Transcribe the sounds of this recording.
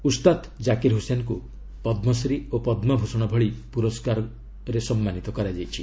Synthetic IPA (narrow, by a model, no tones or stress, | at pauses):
ust̪at̪ | d͡ʒakiɾɦusenɔku | pɔd̪mɔsɾiopɔd̪mɔbʱusɔɽ̃ɔbʱɔɭipuɾɔskaɾɔ | ɾesɔmːanit̪ɔkɔɾad͡ʒajt͡ʃʰi